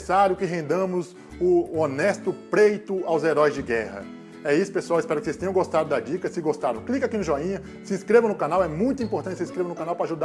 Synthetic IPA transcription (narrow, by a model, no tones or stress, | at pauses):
saɾjʊkɪɦẽnd̪ɐ̃mʊz | ʊonɛst̪ʊpɾejt̪ʊawzeɾɔjzd͡ʒɪɡɛhɐ̰ | ɛisʊ̥pesuawɪspɛɾʊkɪsejst̪ẽɲ̃ɡost̪ad̪ʊd̪ɐd͡ʒikɐsɪɡost̪aɾɐ̃w̃klikakinʊʒɔĩɲɐ | sɪĩskɾevɐ̃nʊkanawɛmũj̃t̪̬ʊĩmpoɾt̪ɐ̃t͡ʃɪsɪĩskɾevɐ̃nʊkãnawpɾaʒud̪a